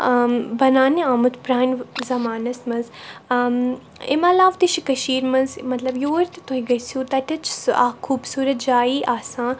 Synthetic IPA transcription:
bɐnaːniaːmut̪pɾaːnzɐmaːnɐsmɐnz | ɪ̰mɐlaːʋt̪iʃikɐʃiːɾmɐnzmɐt̪lɐbjoːɾt̪it̪oɦĩɡɐsũːt̪ɐʈɐt͡ʃʰsa̰kʰuːbsuːɾɐt̪̚d͡ʒaːiːʔaːsãː

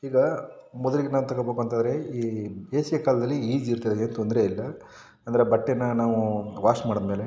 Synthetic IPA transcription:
iːɡɐmɔd̪ɐliɡenaːʋut̪ɐɡɐbokɐnt̪ad̪ɐɾeiːeːsijɐkaːlɐd̪ɐlːiiːd͡ʒiɾt̪id̪eːnt̪ond̪ɾeilːɐ | ɐnd̪ɐɾebɐʈːenːɐnaːʋuʋaːʂmaːɽɐd̪meːle

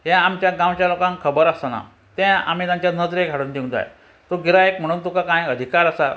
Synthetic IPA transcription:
ɦjãamt͡ɕjaɡãwt͡ɕjalokãŋkʰəbəɾəsana̰ | t̪ɛ̃a̰m̤it̪jãɲt͡ɕjanəd͡zɾeɡʱaɽuːnd̪iw̃nd͡za̰j | t̪oɡiɾaekm̤əɽ̃uːnt̪ukakãjəd̪ʱikaɾəsa

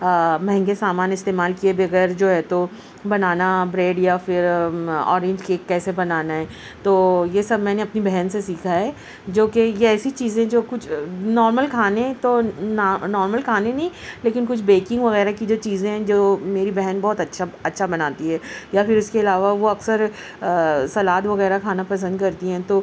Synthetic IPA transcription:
mɐ̃ɦɛ̃ŋɡesaːmaːnɪst̪eːmaːlkiebiɐɣəɾd͡ʒoːɦɛːt̪o | bɐnaːnabɾeːɖjafɪɾɔ̰ːɾẽːɲd͡ʒkeːkːɛːsebɐnaːnaɦɛː | t̪oːjesɐb̚ʱmɛ̃ːneɐpnibɛɦɛnsesiːkʰaɦɛː | d͡ʒoːkejeɛːsit͡ʃiːzẽɦd͡ʒoːkʊt͡ʃʰnɔːɾməlkʰaːnet̪onːnɔːɾməlkʰaːnẽnɐɦĩleːkɪnkʊt͡ʃʰbeːkɪ̃ŋɡʋɐɣɛːɾakid͡ʒoːt͡ʃiːzẽɦɛ̃d͡ʒoːmeːɾibɛɦɛnbɔɦt̪ɐtːʃʰaɐtːʃʰabɐnaːt̪iɦɛːjafɪɾʊskeɪlaːʋaʋoɐksəɾ | sɐlaːd̪ʋɐɣɛːɾakʰaːnapɐs̬ə̃nd̪̚kɐɾt̪iɦɛ̃ːt̪oː

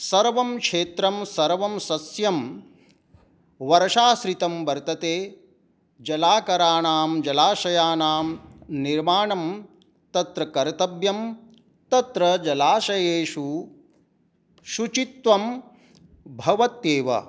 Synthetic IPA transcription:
sɐɾʋɐmkʂeːt̪ɾɐmsɐɾʋɐmsɐsjɐm | ʋɐɾɐʃaːsɾit̪ɐmbɐɾt̪ɐt̪eː | d͡ʒɐlaːkɐɾaːɳaːmd͡ʒɐlaːʃɐjaːnaːmniɾmaːɳɐm | t̪ɐt̪ɾɐkɐɾt̪ɐbjɐm | t̪ɐt̪ɾɐd͡ʒɐlaːʃɐjeːʃu | ʃut͡ʃit̪ʋɐm | bʱɐʋɐt̪jeːʋɐ̰

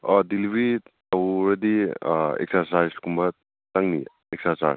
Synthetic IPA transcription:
ɔdilbɾi | ɐwɾɐdiḛk̚sɐɾsajskʰumbɐ | taŋnḭ | ek̚sɐɾsa̰s

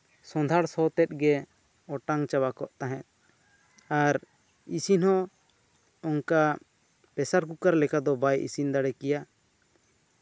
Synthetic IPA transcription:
sɔ̃nd̪ʱaɽsɔt̪ɛt̪̚ɡɛ | ɔʈaŋt͡ʃawakɔʔt̪aɦɛt̪̚ | aɾ | isinhɔ | ɔŋka | pɛsaɾkukaɾlɛkad̪ɔbajʔḭsind̪aɽɛkɛja

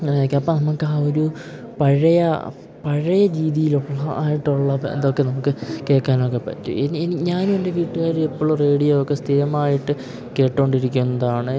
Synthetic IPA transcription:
kʲːuɐpːɐnɐmukːɨaːoɾupɐɻɐjɐ̰ | pɐɻɐjɐɾiːðijiluɭːɐʔaːjiʈːuɭːɐḛnd̪okːe̞nɐmukːɨke̞ːkːaːno̞ːkːepːɐ̰tːṵeninɲaːnumende̞ʋiːʈːuɣaːɾepːoɭːure̞ːɽijɐokːest̪ʰiɾɐmaːjiʈːɨ | ke̞ːʈːoːɳɖiɾikʲːunːɐðaːɳɨ

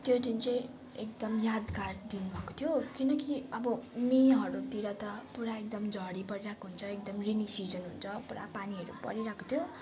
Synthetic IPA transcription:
t̪jod̪int͡sʌj̃ | ek̚d̪ʌmjad̪ɡard̪inubʱʌkot̪ʰjokinʌkiʌbʌmeɦʌɾut̪iɾʌt̪ʌpuɾaek̚d̪ʌmd͡zʱʌɽipʌɾiɾakoɦunt͡sʰʌek̚d̪ʌmrinisid͡zʌnɦunt͡sʰʌpuɾa̰paniɦʌɾṵpʌ̰ɾiɾakot̪ʰjo

